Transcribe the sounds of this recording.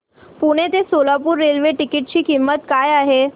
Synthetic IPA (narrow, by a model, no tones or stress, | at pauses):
puɽ̃et̪esolapuːɾːelʋeʈikiʈ̚t͡ɕiːkimːət̪kajaɦe